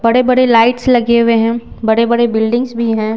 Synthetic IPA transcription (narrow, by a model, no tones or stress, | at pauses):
bɐɽebɐɽelaːɪʈslɐɡeweɦɛ̃ːbɐɽebɐɽebɪlɖɪ̃ŋsbʱiɦɛ̃ː